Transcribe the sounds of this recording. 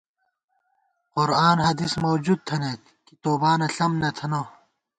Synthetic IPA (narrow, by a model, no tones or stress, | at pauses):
qʊɾaːnɦɐd̪ismoːd͡ʑud̪̚t̪ʰɐnet̪ | kit̪oːbaːnɐɬɐmnɐt̪ʰɐno